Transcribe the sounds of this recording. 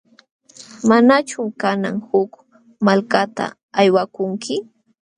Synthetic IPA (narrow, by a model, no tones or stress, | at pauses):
manat͡ʃʊmkanaŋhʊk | malkat̪a̰ | ajwakʊŋkʰɪ